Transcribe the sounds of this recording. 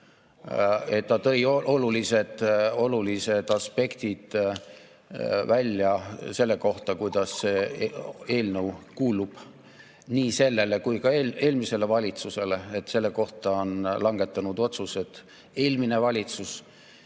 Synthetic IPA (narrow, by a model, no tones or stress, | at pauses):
e̞t̪ːɑt̪ɤ̞joʔo̞lulise̞d̪̥o̞lulise̞d̪̥ɑspe̞kt̪id̪̥ | vælʲjɑse̞lːe̞ko̞ht̪ɑkujd̪̥ɑsːeː | e̞ːlnəwkuːlub̥ | niːse̞lːe̞le̞kujkɑele̞ːlmise̞le̞vɑlʲit̪suse̞le̞et̪se̞lːe̞ko̞ht̪ɑo̞nlɑŋɡ̥e̞t̪ːˑɑnud̪o̞t̪suse̞t̪ | e̞ːlmine̞vɑlʲit̪sus